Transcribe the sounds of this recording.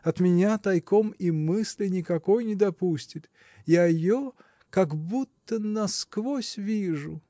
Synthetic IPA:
ɐt̪mʲɪnʲat̪ɐjkomimɨsʲlʲɪnʲɪkɐkojnʲɪd̪ɐpusʲtʲɪt̪ | jaɪjo | kɐɡbut̪ːənɐskvosʲvʲiʐʊ

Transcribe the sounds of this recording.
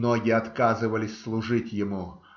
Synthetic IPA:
noɡʲɪɐt̪kazɨvəlʲɪsʲslˠʊʐɨtʲjɪmu

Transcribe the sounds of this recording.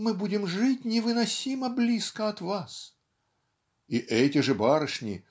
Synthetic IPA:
mɨbudʲɪmʐɨt̚ʲnʲɪvɨnɐsʲiməblʲiskəɐt̪vas | iʔɛtʲɪʐɨbaɾɨʂnʲɪ

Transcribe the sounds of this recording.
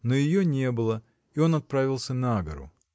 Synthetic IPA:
nojɪjonʲe̞bɨlˠə | io̞nɐt̪̚pɾavʲɪlˠsʲənaɡəɾʊ̰

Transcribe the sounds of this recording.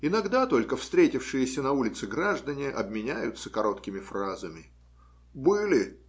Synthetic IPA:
ɪnɐɡd̪at̪o̞lʲkəfst̪ɾʲetʲɪfʂɨjɪsʲənɐulʲɪt̪sɨɡɾaʐd̪ənʲɪʔɐ̰bmʲɪnʲæjʊt̪səkɐɾo̞t̪kʲɪmʲɪfrazəmʲɪ | bɨlʲɪ

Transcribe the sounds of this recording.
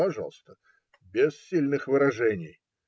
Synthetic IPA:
ɐʐa̰lˠst̪ə | bʲɪssʲilʲnɨxvɨɾɐʐɛnʲɪj

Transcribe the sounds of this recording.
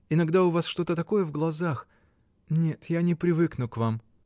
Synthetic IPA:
ɪnɐɡd̪aʊvasʂt̪o̞t̪ət̪ɐko̞jəvɡlˠɐzax | nʲe̞t̪janʲɪpɾʲɪvɨknʊkvam

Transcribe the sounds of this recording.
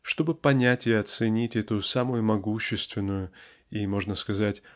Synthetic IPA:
ʂt̪o̞bɨpɐnʲætʲɪɐt̪sɨnʲitʲɛt̪ʊsamʊjʊmɐɡuɕːɪst̪vʲɪnːʊjʊ | imo̞ʐnəskɐzatʲ

